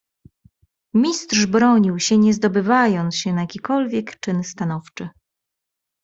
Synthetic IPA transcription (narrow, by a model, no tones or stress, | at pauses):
mʲist̪ʂbɾɔɲiwɕɛɲɛzd̪ɔbɘvajɔnt̪ɕɛnajakʲikɔlvʲjɛkt͡ʂɘnst̪anɔft͡ʂɘ